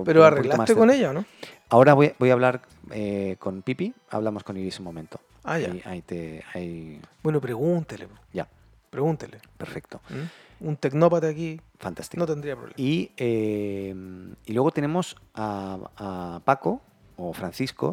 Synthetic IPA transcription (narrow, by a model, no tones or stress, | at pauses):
peɾoareɣkilamast̪ekoneʎaono | ao̞ɾaβojbojaβlaɾ | eko̞npipi | a̰βlamo̞skonilisumõmẽ̞nt̪o̥ | aʝaajt̪eajbwenopɾeɣunt̪eleɟ͡ʝa | pɾeɣunt̪elepe̞ɾfe̞k̚t̪o̞unt̪e̞knopat̪eakifant̪ast̪inot̪end̪ɾiapɾoβleiemilwe̞ɣ̞o̞t̪e̞nemo̞saː | pako̞ | ofɾanθisko̞̰